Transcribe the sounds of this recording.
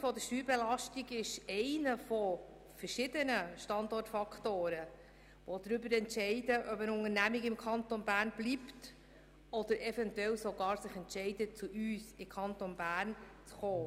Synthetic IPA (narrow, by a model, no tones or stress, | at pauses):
fɔd̪əʃtyːɾbɛlɑʃtiɡɪʃɛɪnəfɔ | fəɾʃɪdənəʃtɑndɔrtfɑkʰtoːɾə | ʋɔd̪ɾʏbəɾɛntʃɛɪdəʔœbənʊŋənæmiɡɪmkʰχɑnt̪onbæːɾnblipt | ɔd̪əɾɛfɛntɛlsoɡɑːɾsɪχɛntʃɛɪdət͡suʔyːsɪkʰɑntonbæːɾnt͡sχoː